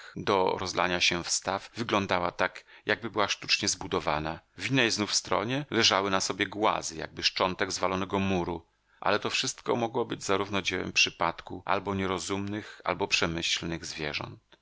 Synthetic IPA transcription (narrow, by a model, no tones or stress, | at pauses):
d̪ɔ̰ɾɔzlʔa̰ɲaɕɛfst̪avːɘɡlɔnd̪awat̪akjaɡ̚bɘbɘwaʂt̪u̥t͡ʂɲɛzbud̪ɔva̰navʲinːɛjznufst̪ɾɔ̰ɲɛlɛʐawɘnasɔbʲjɛɡwa̰zɘja̰ɡ̚bɘʂt͡ʂɔnt̪ɛɡzvalɔnɛɡɔmuɾu | ʔa̰lɛt̪ɔfʂɘst̪kɔ̰mɔɡwɔbɘd͡ʑzaɾuvnɔd͡ʑɛwɛ̰mpʂɘpat̪kuʔa̰lbɔɲɛɾɔzumnɘxa̰lbɔpʂɛmɘɕlnɘɣzvʲjɛ̰ʐɔ̰nt̪